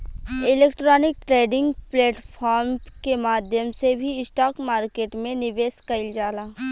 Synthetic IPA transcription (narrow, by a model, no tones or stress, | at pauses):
ɪleːkʈɾɔːnɪk̚ʈɾeːɖɪ̃ŋɡpleːʈpʰɔːɾmkemaːd̪ʱjəmsebʱiɪsʈaːkmaːɾkeːʈmẽnɪʋeːskəɪld͡ʒaːlaː